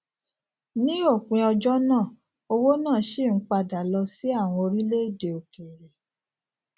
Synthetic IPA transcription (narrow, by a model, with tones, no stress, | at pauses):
nĩ˦o˦˨k͡pẽ˨˧ɔ˧d͡ʒɔ˦nãː˦˨ | o˧wo˦nãː˦˨˦ʃe˦˨ŋ̩˦k͡pa˧da˨lɔ˧si˦a˦˨w̃ɔ̃˧o˧ɾi˦le˦˨de˨o˨ke˨ɾe˨